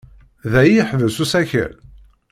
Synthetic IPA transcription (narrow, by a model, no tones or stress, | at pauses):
ðæjiħvəsusæçə̰l